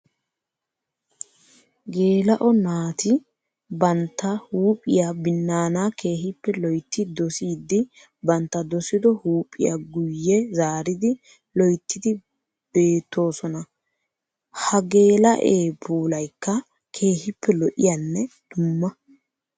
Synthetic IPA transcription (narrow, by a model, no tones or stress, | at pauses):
ɡe̞ːlɐʔɔnaːt̪ɪ | bɐnt̪ːɐhuːpʼɪjabɪnːaːnaːkʰe̞ːɦɪpːɛlɔjt̪ːɪd̪ɔsiːd̪ːɪ | bɐnt̪ːɐd̪ɔsɪd̪ɔhuːpʼːɪ̰jaɡʊjːɛzaːɾɪd̪ɪ | lɔjt̪ːɪd̪ɪ | b̥e̞ːt̪ːo̞ːsɔnɐ | hɐɡe̞ːlɐʔeːbuːlɐjkːɐ | kʰe̞ːhɪpːɛlɔʔɪjanːɛd̪̥ʊmːɐ